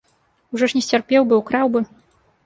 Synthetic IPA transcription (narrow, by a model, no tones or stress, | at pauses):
uʐɔʂnʲɛsʲt͡sʲarpʲɛwbɨwkɾawbɨ